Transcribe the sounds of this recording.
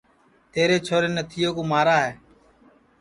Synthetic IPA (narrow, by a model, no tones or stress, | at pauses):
t̪eːɾeːt͡ʃʰoːɾeːnət̪ʰɪjoːkõːmaːɾaːɦeː